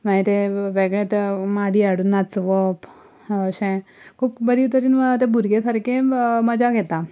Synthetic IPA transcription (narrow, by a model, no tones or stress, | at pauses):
maɦit̪eʋeɡɭẽt̪maɽiːaɽunːat͡sʋəp | əɕɛ̃ | kʰuːpbəɾiːut̪əɾiːnʋət̪ebʱuɾɡesəɾkẽməd͡ʑaɡʱɛt̪a